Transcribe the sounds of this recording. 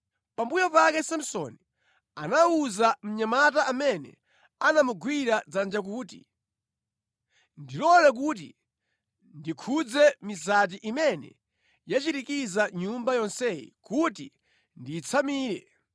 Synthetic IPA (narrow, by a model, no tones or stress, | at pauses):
pambujɔpakɛsim̩sɔni | anauzam̩ɲamat̬aʔamɛnɛ̰ | anamuɡwiɾad͡zand͡ʒak̬uːtḭ | ndilɔlɛk̬ut̬ḭ | ndikʰud͡zɛmis̬at̬iʔimɛnɛ̰ | jat͡ʃitikizaɲumbajɔnsɛjḭkutḭ | ndiːt͡sʰamiːɾɛ